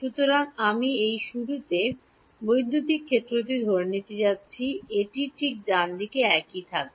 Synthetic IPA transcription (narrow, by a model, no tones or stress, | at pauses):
ʃut̪oɾaŋamiejʃuɾut̪e | bojd̪ʱːut̪ikʰːet̪ːɾot̪̬id̪ʱoɾnit̪ed͡ʑatːɕʰieʈiʈʰik̚d͡ʑand̪ikeɛkit̪ʰak̚